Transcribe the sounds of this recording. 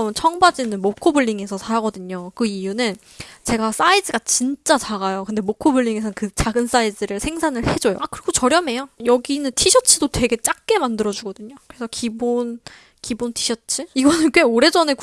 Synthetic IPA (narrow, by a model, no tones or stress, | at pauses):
mɯnt͡ɕʰʌŋbad͡ʑinɯnmokʰobɯʎːiŋe̞sʰʌsʰaɾaɡʌdɯɲokɯijunɯn | t͡ɕe̞ɡas͈aidɯɡat͡ɕint͡ɕ͈at͡ɕaɡajokɯnde̞mokʰobɯɭːiŋe̞sʰʌnnkɯt͡ɕaɡɯns͈aidɯɾɯɭsʰe̞ŋsʰanɯɭhe̞d͡ʑojo̰kɯɾiɡot͡ɕʌɾjʌme̞jojʌɡinɯntʰiɕʰʌt͡ɕʰidotwe̞ɡe̞t͡ɕ͈ak̚k͈e̞mandɯɾʌd͡ʑuɡʌdɯɲokɯɾe̞sʰʌkibon | kibontʰiɕʰʌt͡ɕʰɯiɡʌnɯnkwe̞oɾe̞d͡ʑʌne̞k